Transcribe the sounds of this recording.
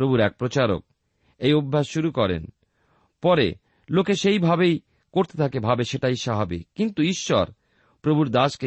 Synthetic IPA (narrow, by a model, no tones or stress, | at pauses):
ɾobʱuɾɛk̚pɾot͡ɕaɾo̰k̚ | ejobʱːaʃʃuɾukɔɾḛn | pɔɾḛ | lokeʃejbʱabej | koɾt̪et̪ʰakebʱabeʃeʈajʃaɦabikːint̪uiʃːɔɾ | pɾobʱuɾd̪aʃke